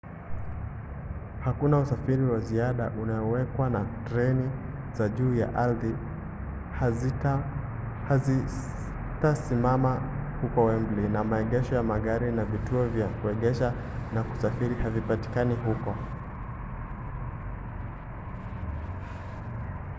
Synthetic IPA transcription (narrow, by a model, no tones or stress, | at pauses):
hakunausafiɾiwaziaɗaʔunaɔwɛkwanatɾɛni | zaʄuːja̰ʔalði | i | tasimamahukɔwɛm̩blinamaɛɠɛʃɔjamaɠaɾinavituɔvjakuɛɠɛʃa | naku̥safiɾihavipati̥kaniɦukɔ